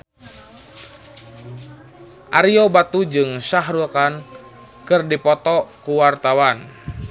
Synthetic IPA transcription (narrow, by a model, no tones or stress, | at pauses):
ʔaɾiobat̪ud͡ʒɨŋsaɦɾukan | kɨrdipɔt̪ɔkuwart̪awan